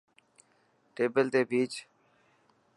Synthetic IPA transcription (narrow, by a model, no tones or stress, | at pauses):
ʈeːbəlt̪eːbʱiːt͡ʃ